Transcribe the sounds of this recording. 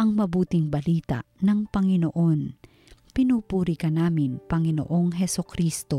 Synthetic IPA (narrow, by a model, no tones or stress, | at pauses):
ʔɐŋmɐbuːt̪ɪŋbɐliːt̪a̰nɐŋpɐŋɪnoʔo̞n | pɪnupuːɾɪkɐnaːmɪnpɐŋɪno̰ʔo̞ŋɦɛsokɾiːst̪o